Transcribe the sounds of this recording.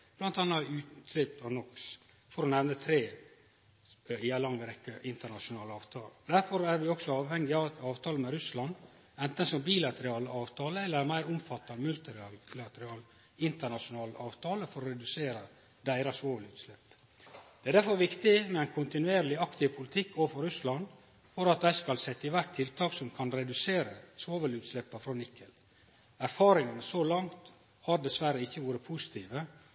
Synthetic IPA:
b̥lɑnt̪ɑnːɑʉːt̪sɾɪp̚t̪ɑʋnɔks | fɔɾɔnɛʋnət̪ʰɾeː | ɪælɑŋːəɾɛkːəʔɪnt̪əɳɑʂʊnɑːləɑːʋt̪ʰɑ̰ːld̪æɾfɔɾæɾʋɪɔksɔɑːʋhɛŋːɪɑːʋt̪ʰɑːləmɛɾʉslɑn | ɛnt̪ənsɔmbiːlɑt̪əɾɑːləɑːʋt̪ʰɑːləɛlːəɾæmæɪɾʊmfɑt̪ːɑnmʉlt̪ɪɾɑllɑt̪əɾɪɑːl | ɪnt̪əɳɑʂʊnɑːlʔɑːʋt̪ʰɑːləfɔɾɔɾɛd̪ʉseːɾə | d̪æɪɾɑsʋoːʋəlʉːt̪slɛpː | d̪̥ɛæd̪æɾfɔɾʋɪkt̪ɪmɛɛnkʰʊnt̪ɪnʉeːɾlɪɑkt̪ɪpʰʊlɪt̪ʰɪkʰːoːfɔɾʉslɑn | fɔɾɑt̪̚d̪æɪskɑlsɛt̪ːəɪʋæʈt̪ʰɪlt̪ʰɑːksɔmkʰɑnɾɛd̪ʉseːɾəsʋoːʋəlʉːt̪slɛpːɑfɾɔnɪkʰːəl | æɾfɑːɾɪŋənsolɑŋt̪ | hɑɾd̪ɛsʋæɾəɪçːəʋuːɾəpʰusɪ̥t̪ʰiːʋə

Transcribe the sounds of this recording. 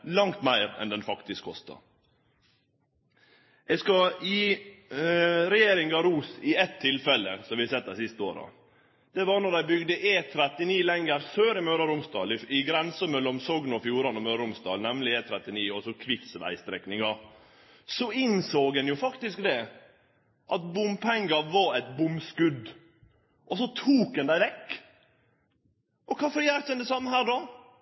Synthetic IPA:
lɑŋt̪mæɪɾɛ̰nd̪ɛnfɑkt̪ɪskʰːɔst̪ɑ̰ | ʔɛɡskɑɪ | ɾɛjeːɾɪŋɑɾuːsɪɛt̪ʰːɪlfɛlːəsɔmʋɪhɑsɛt̪̚ːæɪsɪst̪əoːɾɑ̰ | d̪̥ɛʋɑɾnɔd̪æɪbʏɡd̪əʔeːt̪ʰɾɛt̪ɪniːlɛŋɡəɾføːɾɪmøːɾɑɾʊmst̪ɑ̰ːlɪɪɡɾɛnsəmɛlːɔmsɔɡnəɔfjuːɾɑnɔmøːɾɑʊmst̪ɑ̰ːlnɛmlɪeːt̪ʰɾɛt̪ɪniːɔsɔkʰʋɪt̪sʋæ̰ɪst̪ɾɛ̰knɪŋɑ | sɔɪnsoːɡ̪ɛnjʊfɑkt̪ɪskd̪ɛ | ʔɑt̪bʊmpʰɛŋɡɑʋɑɾɛt̪bʊmskʉd̪ | ʔɔsɔt̪ʰuːk̚d̪ɛnd̪æɪʋɛkː | ʔɔkʰɑːfɔɾjæːɾt̪d̪ɛnd̪ɛsɑmːəɦæːɾɖɔ

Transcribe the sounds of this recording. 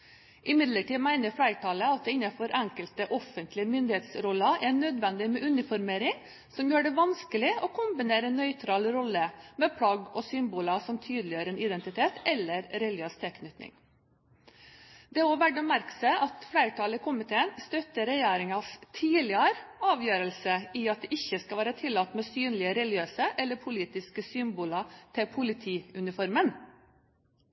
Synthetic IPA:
ʔɪmɪd̪ləʈiːmæɪnəɾfɽæɪʈʰɑːləɑt̪̚d̪ɛɪnːɑfɔɾʔæŋkəlt̪əʔɔfənt̪lɪəmʏnd̪ɪheːt̪sɾɔlːɑʔæɳød̪ʋɛnd̪ɪmɛʔʉnɪfɔɾmeːɾɪŋ | sɔmjøːɖɛʋɑnskəlɪʔɔkʰʊmbɪneːɾənœʏt̪ʰɾɑːlɾɔlːəmɛpʰɽɑɡɔsʏmbuːlɑsɔmt̪ʰyːd̪lɪjøːɾəɛnɪd̪ɛnt̪ɪt̪ʰeːt̪ʰɛlːəɾɾɛløst̪ʰɛːkʰnʏt̪nɪ̰ŋ | d̪ɛoːʋæɖɔmæɾksəʔɑt̪fɽæɪʈʰɑːləɪkʰʊmɪt̪ʰeːənst̪œt̪əɾɛjeːɾɪŋɑst̪ʰiːlɪɑɾɑːʋjøːɾəlsəɪɑt̪̚d̪ɛːʔɪçːəskɑlʋæːɾət̪ʰɪlːɑt̪ːmɛːsyːnlɪəɾɛlɪɡɪøːsəʔɛlːəɾpʰʊliːt̪ɪskəsʏmbʊːlɑt̪ʰɪlpʰʊlɪt̪ʰiːʉnɪfɔɾmən

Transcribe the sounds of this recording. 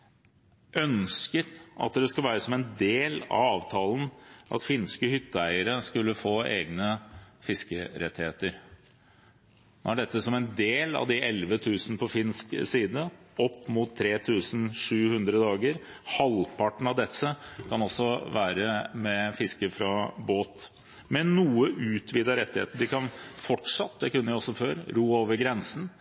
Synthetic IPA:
ʔœnskət̪ɑ̰t̪̚d̪ɛskʉlʋæːɾəsɔmɛnd̪eːlɑ̰ɑːʋt̪ʰɑːln̩ʔɑ̰t̪fɪnskəhʏt̪ːəæɪəɾəskʉlːəfoːʔḛːɡnəfɪskəɾʔɛt̪ːɪheːt̪əɾ | n̰ːæɖɛt̪ːəsɔmɛnd̪eːlɑ̰ʋd̪ɪʔɛlʋət̪ʰʉːsnəpʰɔfɪnsksiːd̪əɔpːmʊt̪ʰːɾeːt̪ʰʉːsn̩ʂʉːhʉnd̪ɾəd̪ɑːɡəɾ | hɑlpʰɑʈnɳ̩ɑʋd̪ɛsːəkʰɑnɔsːɔʋæːɾəmɛfɪskəfɾɑboːt̪ | mɛnːuːəʔʉːt̪ʰʋiːd̪ɑɾɛt̪ːɪhḛːt̪əɖɪkɑnfɔʈʂɑt̪̚d̪ɛkʉnːəɪɔsːɔføːɾɾuːoːʋəɾɡɾɛnsn̩

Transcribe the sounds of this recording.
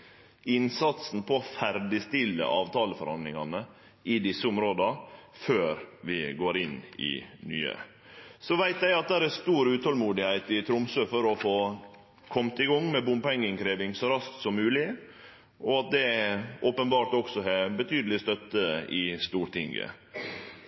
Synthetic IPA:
ɪnsɑt̪sn̩pʰɔfæɾɖɪst̪ɪlːə̰ʔɑːʋt̪ʰɑːləfɔɾhɑ̰nd̪lɪŋɑnə | ɪd̪ɪsːəʊmɾoːd̪əføːɾʋɪɡoːɾɪnɪ̰ny̰ːə̰ | sɔʋæɪt̪jæɪɑt̪̚d̪æːɾæst̪uːɾʉːt̪hɔlmuːd̪ɪhæɪt̪ɪt̪ʰɾʊmsøːfɔɾɔfoː | kʰɔmt̪ɪɡɔŋːmɛbʊmpɛŋːɪŋkʰɾeːʋɪŋsɔɾɑsk̚t̪sɔmːʉːlɪ | ɔɑt̪̚d̪ɛoːpənbɑːɾt̪ɔksɔɛbət̪ʰyːd̪əlɪst̪œt̪ːəɪst̪uːɾʈ̪ʰɪŋɡə̰

